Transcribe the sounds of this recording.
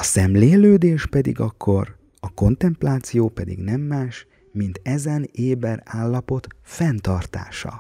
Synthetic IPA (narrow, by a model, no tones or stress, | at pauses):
ɒsɛmleːløːd̪eːʃpɛd̪ḭɡɒkʰːo̞r | ɒko̞nt̪ɛmplaːt̪sijoːpɛd̪ḭɡnɛmːaːʃ | mint̪ɛzɛneːbɛraːlːɒpo̞t̪fɛnt̪ɒrt̪a̰ːʃɒ̰